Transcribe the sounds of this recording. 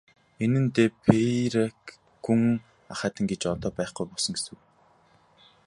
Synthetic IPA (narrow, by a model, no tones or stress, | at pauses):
enɘ̆nt̪eːpʰeɾak | ɡuŋ | aχaːt̪ʰə̆ŋɡet͡ɕɔt̪ɔːpæːχɡujpɔsɞ̆ŋesŭw